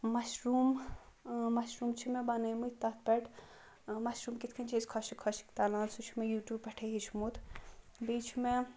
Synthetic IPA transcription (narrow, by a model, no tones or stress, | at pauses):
mɐʃɾuːm | mɐʃɾuːmt͡ʃʰimebɐnemut̪ɐt̪̚ʰpɛʈʰ | mɐʃɾuːmkit̪ʰkʰint͡ʃʰeskʰɔʃikʰɔʃi̥kt̪alãːnsut͡ʃʰimejuːʈjuːbpɐʈʰeɦit͡ʃʰimut̪ʰ | biːt͡ʃʰime